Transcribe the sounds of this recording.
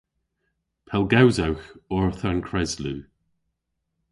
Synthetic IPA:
pʰɛlˠɡawzawxɔɹθaɹnkʰɹɛzluː

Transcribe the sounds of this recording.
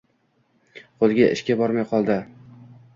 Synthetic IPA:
qʰolˠɡʲaʔɪ̰ʃkʲabɒɾmajqʰɒlˠd̪ɪ

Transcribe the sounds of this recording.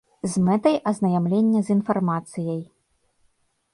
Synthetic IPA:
zmɛt̪ɐjʔɐznɐjamlʲenʲːɐzʲinfarmat̪sɨjɐj

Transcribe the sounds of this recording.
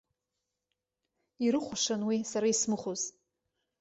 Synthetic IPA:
iɾɨχʷʊʂanwisaɾaismɨχʷoz

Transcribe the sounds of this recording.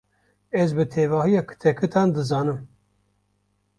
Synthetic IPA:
ɛzbɨt̪ʰeːvɑːhijɑːkʰɨ̥t̪ʰɛkʰɨt̪ʰɑːnd̪ɨzɑːnɨm

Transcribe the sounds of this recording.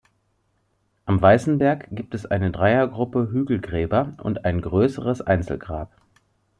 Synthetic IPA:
ʔamvaɪsn̩bɛɐkɡ̥iːp̚tɛsʔaɪnədʁaɪɐɡʁʊpəɦyːɡl̩ɡʁɛːbɐʔʊ̰ntaɪnɡʁøːsəʁəsʔa̰ɪnt͡sl̩ɡʁaːp

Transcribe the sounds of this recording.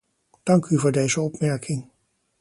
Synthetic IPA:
d̥ɑŋkyvʊːɹdejzəɔpmɛɹkʰɪŋ

